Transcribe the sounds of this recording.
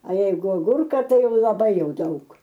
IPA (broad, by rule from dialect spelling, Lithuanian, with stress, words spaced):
ɐ ˈjɛɪɡʊ ɐˈɡʊrkɐ ˈtɐɪ ˈjɛʊ lˠɐˈbɐɪ ˈjɛʊ ˈdɐʊk